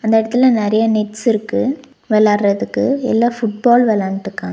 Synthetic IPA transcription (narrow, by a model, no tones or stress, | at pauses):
ɐnd̪ɐɪɽɐt̪ːɪlɐ̃nɛɾɐjɐnɛʈːsɪɾɯkːɯ | ʋɛlaːɾɾɐðɯkːɯɛ̰lːaːfʊʈ̚baːlʋɛlaːnʈːɯkːãː